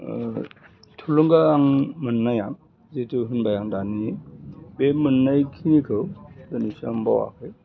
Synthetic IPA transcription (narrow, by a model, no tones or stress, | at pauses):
tʰuluŋɡaːŋmɯnːajaŋ | zitʰuɦɯnbajaŋdanibemɯnːajkʰinikʰɯwdɯnisambawa̰kʰɯj